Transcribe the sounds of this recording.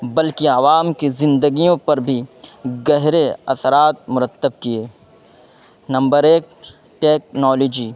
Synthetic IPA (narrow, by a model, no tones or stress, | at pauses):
bɐlkiaʋaːmkizɪ̃nd̪əɡijõpɐɾbʱiɡɐɦɾeɐsɾaːt̪̚mʊɾət̪ːəb̚kieː | nɐ̃mbəɾeːk̚ | ʈeːk̚nɔːloːd͡ʒiː